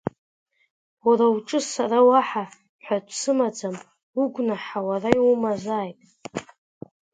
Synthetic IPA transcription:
waɾawuʈ͡ʂʼɨsarawaħa | ħʷᶣadʷʰʼsɨmad͡zam | uɡʷnaħawarajwumazaːjtʼ

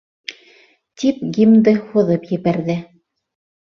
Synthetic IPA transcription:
t̪ipɡʲimd̪ɤhŭðɤpjɘ̆βæɾðɘ

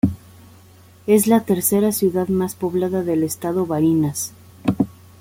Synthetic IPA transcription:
e̞zlat̪e̞ɾse̞ɾasjuðaðmaspo̞βlaðaðe̞lest̪aðo̞βaɾinas

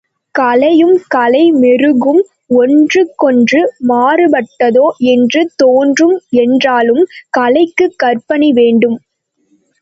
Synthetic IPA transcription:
kɐlɐjɯmkɐlɐɪmɛrɯɣɯm | ɔndrɯkːɔndrɯmaːɾɯbɐʈːɐðoːɛndrɯt̪oːndrɯmɛndraːlɯmkɐlɐɪkːɯkːɐrpɐniʋeːɳɖɯm

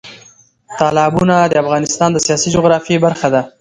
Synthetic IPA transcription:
t̪ɑlɑbunad̪əafɣɑnɪst̪ɑnd̪əsijɑsid͡ʒʊɣɾɑfjebaɾxad̪a

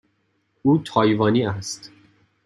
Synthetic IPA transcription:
uːt̪ʰɒːjvɒːniːæst̪

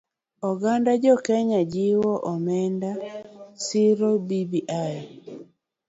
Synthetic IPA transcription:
ɔɡandad͡ʒɔkɛɲad͡ʒiwɔʔɔmɛndasiɾobibiʔaj

